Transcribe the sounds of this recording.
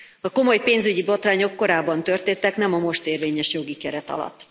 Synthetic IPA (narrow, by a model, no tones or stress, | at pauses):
ɒko̞mo̞jpeːnzyɟibo̞t̪raːɲo̞kːo̞ɾaːbːɒnt̪ø̞rt̪eːnt̪ɛknɛmɒmo̞ʃt̪eːrveːɲɛʃjo̞ɡikɛɾɛt̪ɒ̰lɒ̰t̪ː